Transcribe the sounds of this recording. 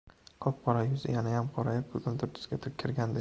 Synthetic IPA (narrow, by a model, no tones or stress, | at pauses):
qʰɒp̚qʰɒɾɒjʊzɪjanajamqʰɒɾajap̚kʰɵzʊnt̪ʰʊɾt̪jzɡʲat̪ʰʊɪp̚kʲʰɪɾɡʲand̪ɪ